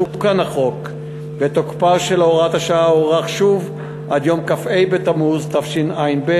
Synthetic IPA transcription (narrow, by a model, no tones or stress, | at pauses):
ukanaχo̞k | vet̪okpaʃelo̞ʁat̪haʃaaoʁaχʃuv | ʔad̪jomkafe̞jbet̪amuzt̪afʃinajnbe